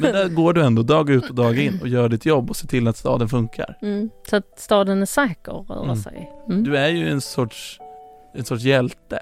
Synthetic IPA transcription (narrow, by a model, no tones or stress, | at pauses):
mɛnd̪æɾɡoːɖɵɛnd̪ɔd̪ɑːɡʉ̟ːt̪ɔd̪ɑːɡaɪnːɔjœːɾaɖɪt̪ʰjɔbːɔseːt̪ʰɪlːat̪st̪ɑ̰ːd̪ənfɵŋkʰa̰ɾsɔat̪st̪ɑːd̪ənæʂɛːkə̰ɾœ̰ːɾa̰sɛ̰jd̪ɵæɾjɵɛnsɔʈʂ | ɛnsɔʈʂjɛlt̪ə